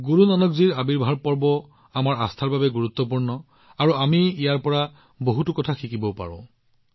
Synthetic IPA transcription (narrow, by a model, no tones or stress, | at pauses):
ɡuɹunɔnɔkziɹabiɹbʱaɹpɔɹbɔ | amaɹast̪ʰaɹbabɛɡuɹut̪ːɔp̬uɹnɔ | aɹuamiijaɹpɔɹa | boɦutukɔtʰaxʰikibɔpa̰ɹɔ̰̃